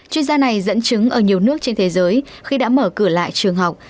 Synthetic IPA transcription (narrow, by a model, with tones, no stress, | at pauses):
t͡ɕwi˧ənzaː˧na˨˩jzə̰˧˥nt͡ɕɨ˨˦ŋʔəː˧˩ɲi˨˩əwnɨ˦˥ək̚t͡ɕe˧nt̪ʰe˨˦zəː˨˦jxi˧ɗa̰ː˧˥məː˧˩kɨ˧˩əla̰ː˧˨jt͡ɕɨ˨˩əŋɦa˨˩wk͡p̚